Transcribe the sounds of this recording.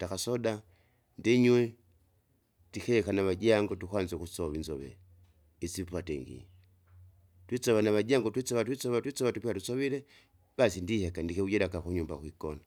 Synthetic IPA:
takasɔda | ndiɲwɛ | tikɛkanaβad͡ʒaŋɡɔtukwanzɛkusɔβinzɔβɛ̰ | isipwatɛ̰ŋɡḭ | twit͡sɔβanaβad͡ʒaŋɡɔtwit͡sɔβat̬wit͡sɔβatwit͡sɔβatupiatusɔβiɾɛ | b̥asindihɛkandikɛud͡ʒɛɾakakuɲumba̰kwikɔna

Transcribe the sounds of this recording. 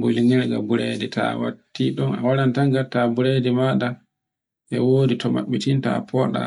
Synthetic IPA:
boliŋɛɾɡabuɾedɛtʰa̰wa̰tːiɗɔna̰walantaŋɡatabuɾedɛmaɗa | ʔɛwoːditɔma̰ɓːitinta̰pʰɔɗa̰

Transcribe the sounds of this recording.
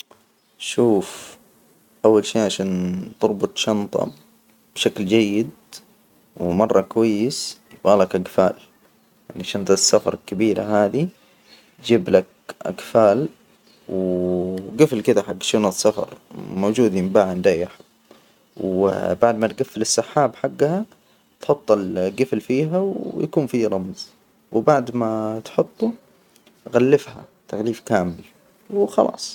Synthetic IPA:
ʃuːf | ʔawːalʃiːʕaʃaːnt̪ɨɾˤbʊt̪ˤʃɑnt̪ˤɑ̰ | b̥ʃakld͡ʒajːɪd̪ | wmɑrˤːɑkwajːɪs | baːlakʔaɡfa̰ːl | jaʕniʃɑnt̪ˤɑsːafɑ̰ɾˤlkabiːɾa̰ɦaːði | d͡ʒiːblak̚ | ʔa̰ɡfaːl | w | ɡɪflkɪd̪aħaɡːʃɪnasːafɑ̰ɾˤmoːd͡ʒuːd̪ɪmbaːʕand̪aːjɪħ | wbaʕd̪mat̪ɡafːɪlɪsːaħːaːbħaɡːha | t̪ħʊt̪ˤːɑlɡɪflfiːɦawjakuːnfiɾˤɑmz | wbaʕd̪mat̪ħʊt̪ˤːu | ɣalːɪfha̰t̪aɣliːfkaːmɪl | wxɑlɑ̰ːsˤ

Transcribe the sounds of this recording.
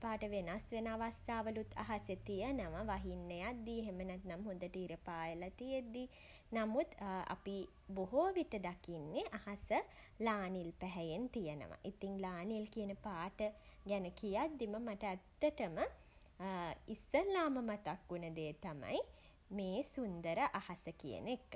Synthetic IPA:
paːʈəʋenasʋenəaʋast̪aːʋəlut̪ʰːa̰ɦasjət̪ijənəʋaʋaɦinːejad̪̚ːiɦemənæt̪namɦund̪əʈəiɾəpaːjəlat̪ied̪i | namut̪a̰pi | boɦoʋiʈəd̪akinːeʔahasə | laːnilpæɦɛjent̪ijənə̰ʋa̰ʔit̪iŋlaːnilkijənəpaːʈəɡænəkijad̪ːiməmaʈəːt̪ːəʈəmə | isəlaːməmat̪akːunəd̪eːt̪ama̰j | meːsund̪əɾəʔahasəkijə̰nekːə

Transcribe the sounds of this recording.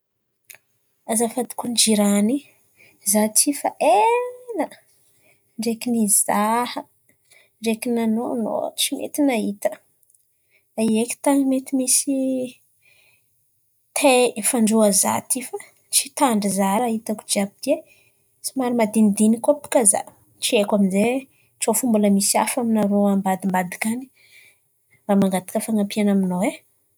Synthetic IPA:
azafad̪i̥kund͡ʒiɾani | zat̪ʰifaʔena | ɳɖ͡ʐekinizahə | ɳɖ͡ʐekinanono̰t͡simḛt̪inaɦit̪ə̥ | daieki̥t̪animet̪imisi | t̪ʰefaɳɖ͡ʐuaza̰t̪ifḁ | t͡ʃi̥t̪aɳɖ͡ʐizaɾaɦit̪aku̥d͡ʒiabid̪e | t͡simaɾimad̪inid̪inikapu̥kaza̰ | t͡ʃiekʷaminze | ʈ͡ʂofumbuləmisia̰faminaɾoambad̪imbad̪i̥kʲani̥ | ramaŋɡat̪ḁkəfaŋapianaminoe

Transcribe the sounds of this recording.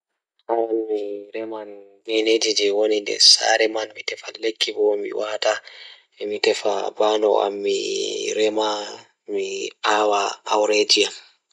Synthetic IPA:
hawanmiɾɛmanɡɛned͡ʒid͡ʒɛwonindɛ̰sa̰ɾɛmanmitɛfalekʰːibɔmḭwaːta | ɛmitɛfa̰banɔʔa̰mːḭɾɛma | miawaawɾed͡ʒiam

